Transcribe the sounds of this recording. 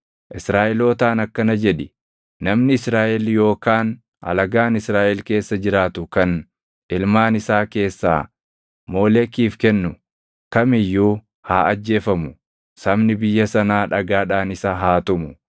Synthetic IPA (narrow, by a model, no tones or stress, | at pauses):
ʔɪsɾaːʔɛlo̞ːt̪aːnɐkːɐnɐd͡ʒɛᶑɪ | nɐmnɪɪsɾaːʔɛljo̞ːkaːn | hɐ̰lɐɡaːnɪsɾaːʔɛlke̞ːsːɐd͡ʒɪɾaːt̪ʊkɐn | ɪlmaːnɪsaːke̞ːsːa̰ː | mo̞ːlɛkːiːfkɛnːʊ | kɐmɪjːuː | haːʔɐd͡ʒːe̞ːfɐmʊ | sɐmnɪbɪjːɐsɐnaːᶑɐɡaːᶑaːnɪsaːɦaːt̪ʊmʊ